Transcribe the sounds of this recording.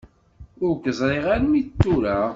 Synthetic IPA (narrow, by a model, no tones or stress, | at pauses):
ʊɾkəzˤɾˤeʁaɾmit͡st̪ːuɾa